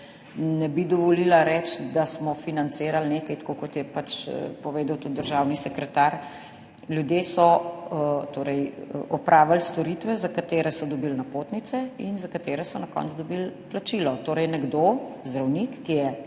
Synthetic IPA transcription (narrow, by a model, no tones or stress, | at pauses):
nɛbid̪ɔʋɔlilaɾɛt͡ʃd̪asmɔfinant̪seːɾalneːkɐjt̪ḁkokɔt̪jɛpat͡ʃpɔʋeːd̪awt̪ut̪̚d̪əɾʒawnisɛkɾɛt̪aɾ | ljud̪jesɔ | t̪oːɾɛjʔɔpɾʔaːʋalst̪ɔɾit̪ʋɛzakat̪eːɾɛsɔd̪ɔbilnapoːt̪nit̪sɛinzakat̪eːɾɛsɔnakɔ̰ntzd̪ɔbilplat͡ʃilɔt̪oːɾɛjnɛɡd̪ozd̪ɾawnikːijɛ